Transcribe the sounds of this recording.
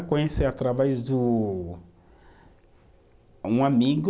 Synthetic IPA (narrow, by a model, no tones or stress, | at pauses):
kõɲeseat̪ɾavɛzd̪ʊ | ũamiɡ